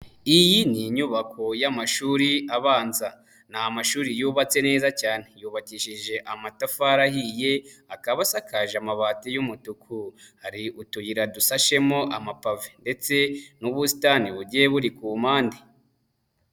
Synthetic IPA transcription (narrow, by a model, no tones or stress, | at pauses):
ijiniɲuβakʰo̞jamaʃuːɾiaβaːnza | namaʃuːɾijuːβat͡se̞ne̞ːzacaːne̞juːβaciʃiʒe̞ʔamatafaɾahije̞akaβasakaʒamaβaːtijumutukʰuhaɾiʔutujiɾadusaʃe̞mo̞ʔamapavende̞t͡se̞nuβusi̥taniβuɟieβuɾikumaːnde